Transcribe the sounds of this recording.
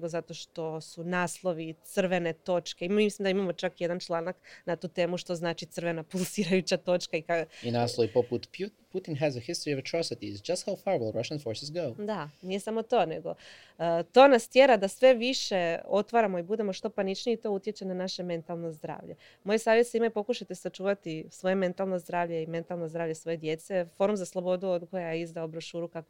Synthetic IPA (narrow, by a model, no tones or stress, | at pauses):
ɡo̞zat̪o̞ʃt̪o̞sunaːslˠo̞ʋit̪sɨr̩ʋe̞ne̞t̪o̞t͡ʃke̞imislimd̪aimamo̞t͡ʃakje̞d̪ant͡ʃlˠaːnaknat̪uːt̪e̞ːmuʃt̪o̞znaːt͡ʃit̪r̩ʋe̞napulˠsiɾajut͡ɕat̪o̞t͡ʃkaikainaslˠoʋipoput̪pʰjutput̪ɪ̃nɦæzəhɪst̪oɹiɔvətʰɹɔsɪt̪iɪzd͡ʒast̪haʊfaɹwl̩ˠɹaʃãnfoɹsɪzɡoʊd̪anije̞samo̞t̪o̞ːne̞ɡo̞̰ | t̪o̞nast̪jeɾad̪asʋe̞ʋiʃe̞o̞t̪ʋaɾamo̞ibud̪e̞mo̞ʃt̪o̞panit͡ʃniːt̪o̞ut̪ʲjet͡ɕenanaʃe̞me̞nt̪alˠno̞zd̪ɾa̰ːʋʎe | mo̞jesaːʋjet̪seimaipo̞kuʃat̪esat͡ʃuːʋat̪isʋo̞je̞me̞nt̪alˠno̞zd̪ɾaːʋʎe̞ime̞nt̪alˠnozd̪ɾaːʋvʎesʋo̞je̞d̪je̞t̪se̞fo̞ɾumzaslˠobo̞d̪uod̪ko̞jajeizd̪aobɾoʃuːɾukak